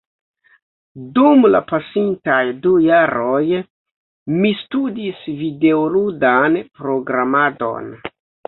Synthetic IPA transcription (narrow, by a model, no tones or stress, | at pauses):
dumla̰pasintajdujaɾo̞j | mistudisvide̞oludanpɾo̞ɡɾamado̞̰n